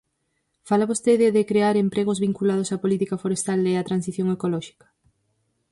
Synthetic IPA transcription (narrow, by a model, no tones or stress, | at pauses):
falaβost̪eðɪðɪkɾeaɾempɾeɣ̞ozβiŋkulað̞osapolit̪ikɐfoɾest̪aleat̪ɾansiθjoŋekolɔʃi̥kɐ̥